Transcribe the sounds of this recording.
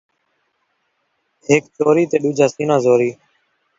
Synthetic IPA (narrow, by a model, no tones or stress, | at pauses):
ɦɪkt͡ʃoːɾiːt̪eːɗʊd͡ʒʱaːsiːnãːzoːɾiː